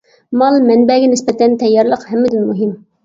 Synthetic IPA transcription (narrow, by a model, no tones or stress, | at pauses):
mɑlˠmɛnbɛɡʲɛnɪspɛt̪ʰɛnt̪ʰɛjːɑɾlˠəqhɛmːɪd̪ynmuɦɪm